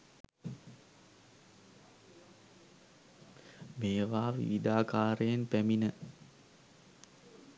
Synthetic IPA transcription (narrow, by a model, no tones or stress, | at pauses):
meːʋaːʋḭʋid̪aːkaːɾəjenpæminə